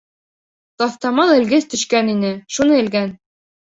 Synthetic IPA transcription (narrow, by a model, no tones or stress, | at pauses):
t̪ɑft̪ɑmɑlˠɘ̆lɡɘθt̪ɵ̆ʃkæninɘʃunɤɘ̆lɡæn